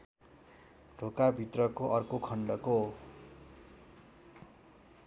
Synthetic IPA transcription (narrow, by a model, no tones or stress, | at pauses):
ɖ̥ʱokabʱit̪rʌkoʔʌrkokʰʌɳɖʌko